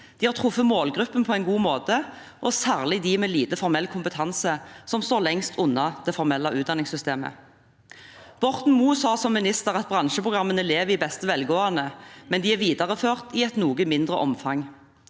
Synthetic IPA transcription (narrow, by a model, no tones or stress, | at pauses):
d̪̥iːhɑːʁt̪ʰʁʊfːəmoːlɡʁʉpːənpʰɔɛɪnɡuːmoːt̪ə | ʔɔsæːʁlɪd̪ɪmɛːliːt̪əfɔɾmɛlkʰʊmpət̪ʰɑnsəsɔmst̪oːʁlɛŋst̪ʰʊnːɑd̪̥ɛfɔʁmɛlːɑʔʉːd̪ɑnɪŋsʏst̪eːmə̰ | b̥ɔʁt̪n̩muːsɑːsɔmːɪnɪst̪əʁɑt̪̚bʁɑnʃəpʰʁʊɡʁɑmːənəleːʋəɪbɛst̪əʋɛlɡoːɑnəmɛnd̪iæʋiːd̪ɑʁəføːʁt̪ɪɛt̪nuːɡəmɪnd̪ʁəʔɔmfɑŋ